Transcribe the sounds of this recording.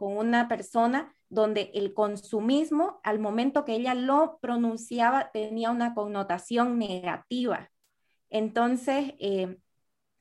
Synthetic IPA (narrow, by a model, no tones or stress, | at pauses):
ko̞ŋunapeɾso̞na | ðo̞nd̪e̞ʔelko̞nsumizmo̞almõ̞mẽnt̪o̞keeʎalo̞pɾo̞nũnsjaβat̪eniaunako̞ŋno̞t̪asjo̞ŋneɣɣa̰t̪iβa̰ | ent̪o̞nsese